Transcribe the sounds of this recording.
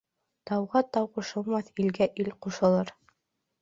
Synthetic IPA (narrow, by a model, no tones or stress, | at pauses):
t̪ɑwʁɑt̪ɑwquʃɤ̆lˠmɑθilɡæʔilquʃɤ̆lˠɤɾ